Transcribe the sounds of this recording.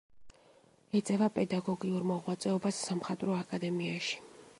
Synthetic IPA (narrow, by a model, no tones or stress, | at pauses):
ɛt̪sʼɛvapʼɛd̪aɡɔɡiuɾmɔʁwat̪sʼɛɔbasːamχat̪ʼɾɔakʼad̪ɛmiaʃi̥